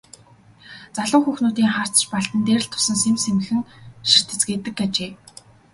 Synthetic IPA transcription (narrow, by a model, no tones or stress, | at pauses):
t͡saɮʊːxuːxnuːt̪iːŋχar̥t͡sə̥̆t͡ɕpaɬt̪ɘ̆nt̪eːrɘ̆ɬt̪ʰːʊ̥sə̆nsemsemɘ̆xɘ̆ŋʃir̥t̪ɘ̆t͡sɡeːt̪ɘ̆kːat͡ɕeː